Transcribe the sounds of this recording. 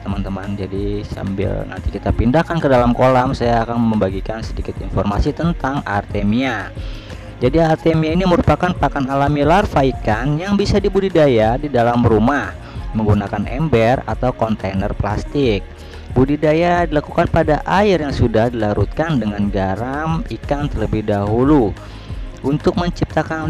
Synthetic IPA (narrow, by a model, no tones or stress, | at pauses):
tt̪əmant̪əmand͡ʒadisa̰mbɪ̰lna̰nt̪ikit̪apindahkankədalamkolamsajaːkanməmbaɡikansədikɪt̪infɔrmasit̪ənt̪aŋa̰rt̪emia | d͡ʒadiart̪emiainiməɾupakanpakanalamilarfaikanjaŋbisadibudidajadidalamrumah | məŋɡunakanɛ̰mbɛra̰t̪awkɔnt̪enərpla̰st̪ɪk̚ | budidajadilakukanpadaʔaɪrjaŋsudahdilaɾut̪̚kandəŋanɡaɾamikant̪ərləbɪhdaɦulu | ʔunt̪ʊk̚məɲt͡ʃip̚t̪akan